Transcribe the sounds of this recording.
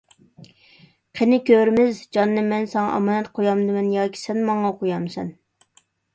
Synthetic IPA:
qʰenɪkʲøɾmɪzd͡ʒɑnːɨmɛnsɑŋɑ̰ʔɑ̰mɑːnɛt̪qʰojɑmd̪ɨmɛnjɑːkʲʰi̥sɛnmɑŋɑqʰojɑmsɛn

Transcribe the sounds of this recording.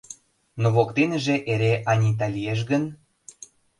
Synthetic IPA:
noβokt̪enəʒeʔeɾeʔɑnʲit̪̬ɑlʲijeʃ̬ɣən

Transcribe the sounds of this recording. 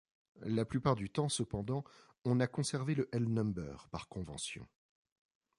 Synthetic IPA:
laplypaʁd̪yt̪ɑ̃səpɑ̃d̪ɑ̃ | ɔ̃nakɔ̃sɛʁveləʔɛlnɔmbœ̰ːʁpaʁkɔ̃vɑ̰̃sjɔ̰̃

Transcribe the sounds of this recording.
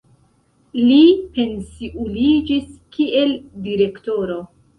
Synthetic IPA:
lipe̞nsiʔulid͡ʒiskʰiʔe̞ldiɾe̞kto̞ɾo̞

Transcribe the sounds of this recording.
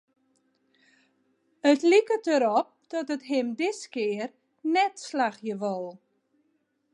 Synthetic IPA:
ətlikətəɾɔp̚d̥ɔtətɦɪmdɪskɪər | nɛtslaxjəʋɔlˠ

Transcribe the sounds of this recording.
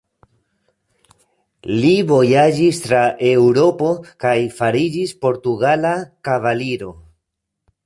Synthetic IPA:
livo̞jad͡ʒistɾaʔe̞wɾo̞po̞kajfaɾid͡ʒispo̞ɾtuɡalakavaliɾo̞

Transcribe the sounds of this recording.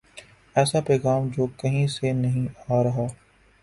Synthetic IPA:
ɛːsapɛːɣaːmd͡ʒoːkɐɦĩsenɐɦĩaːɾɐɦaː

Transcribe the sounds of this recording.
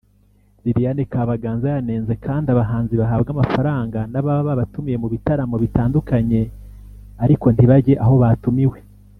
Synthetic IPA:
ɾiɾijanekaːβaɡaːnzajane̞ːnze̞kʰaːndiaβaɦaːnziβaɦabɡamafaɾaːŋɡanaβaβaβaβatumije̞muβitaɾamo̞βitaːndukaɲe̞ | aɾiko̞ntiβaɟe̞ʔaɦo̞βaːtumiwe̞

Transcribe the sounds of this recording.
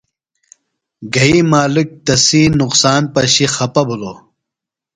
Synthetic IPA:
ɡɐimaːlik̚t̪ɐsiːnuqsaːnpɐɕixɐpɐbʱuloː

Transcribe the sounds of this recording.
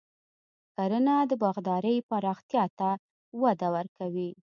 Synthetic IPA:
kaɾənad̪əbɑɣd̪ɑɾəjpaɾɑxt̪jɑt̪a | wad̪awəɾkawi

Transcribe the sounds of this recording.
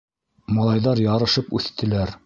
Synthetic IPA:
mɑlˠɑjðɑɾjɑɾɤ̆ʃɤpʉθt̪ɘ̆læɾ

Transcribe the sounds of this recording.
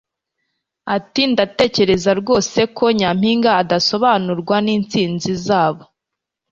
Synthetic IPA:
atindate̞ːce̞ɾe̞zaɾɡo̞ːse̞kʰo̞ɲam̥hiːŋɡaːdaso̞βanuɾɡwaniːnt͡siːnzizaːβo̞

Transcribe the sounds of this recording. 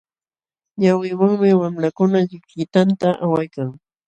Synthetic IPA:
ɲawɪwaŋmɪwamɾakʊnaʎɪkʎɪt̪ant̪aʔawajkaŋ

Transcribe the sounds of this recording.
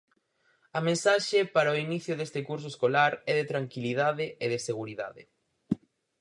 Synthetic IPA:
ɐmẽnsaʃɪpaɾaoiniθjʊðest̪ɪkuɾs̬ʊeskolaɾɛðɪt̪ɾaŋkiliðaðɪʔeðɪseɣuɾiða̰ðɪ̰

